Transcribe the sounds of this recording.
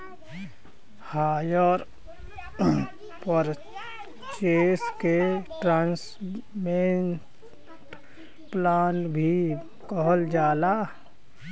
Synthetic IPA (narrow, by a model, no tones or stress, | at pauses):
haːjəɾ | pəɾ | t͡ʃeːskeʈɾãːns | me | ʈ | plaːnbʱi | kɔɦəld͡ʒaːla